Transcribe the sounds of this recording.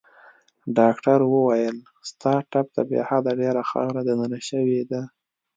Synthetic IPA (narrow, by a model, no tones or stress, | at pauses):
ɖɑkʈaɾwəwajəl | st̪ɑʈap̚t̪abḛhad̪aɖeɾaxɑ̰wɾad̪ananaʃəwed̪a